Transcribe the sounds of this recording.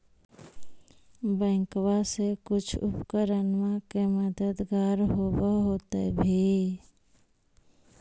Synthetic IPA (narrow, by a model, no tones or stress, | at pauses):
bə̃kwasekut͡ʃʰṵpkəɾənmakeməd̪əd̪ɡaɾɦobəɦot̪ḛbʱi